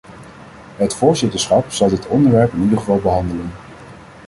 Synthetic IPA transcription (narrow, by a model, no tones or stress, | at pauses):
ɦətfʊːɹzɪtəɹsχɑpsɑwdɪtɔndəɹʋɛɹpɪnidəχəvɑlˠbəɦɑndələn